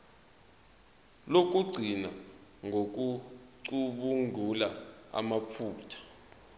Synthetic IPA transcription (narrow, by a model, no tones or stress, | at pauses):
lok̬ʼuɡ͡ǀʱinaŋok̬uǀuɓuŋʱulaa̰mapʰuːtʰḁ